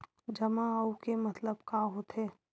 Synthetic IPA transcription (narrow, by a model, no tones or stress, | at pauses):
d͡ʒɐmãɐukemɐt̪ləbkaɦot̪ɦeː